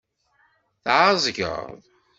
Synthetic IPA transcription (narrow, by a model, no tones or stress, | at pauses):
θʕəzˤɡə̰ðˤ